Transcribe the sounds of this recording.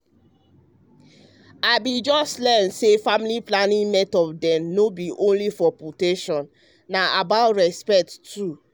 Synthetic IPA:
aɪbid͡ʒɔstlɛnsefamiliplanĩŋmɛtɔdɛ̃mnobiʔõnlifɔputeʃɔ̃nː | aʔabaʊtɹɛspɛk̚tʰu

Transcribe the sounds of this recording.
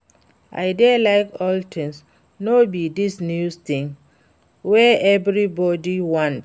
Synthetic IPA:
ʔa̰ɪdɛalaɪkɔltʰɪ̃ŋs | nobidisnjust̪ĩŋ | wɛɛvɹibɔdiwɔ̃nt

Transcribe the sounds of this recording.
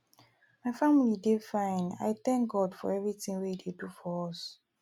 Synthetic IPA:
maɪfamilidefãɪna̰jtɛ̃ŋk̚ɡɔdfɔ̰ɹɛvɹitĩŋweidedufɔɔs

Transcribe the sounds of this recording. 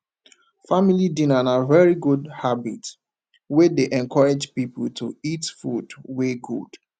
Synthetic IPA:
familidĩnanavɛɹiɡudhabḭt | wedeʔɛ̃nkʰɔɹed͡ʒpipəl̩tʰuitfudweɡṵd̥

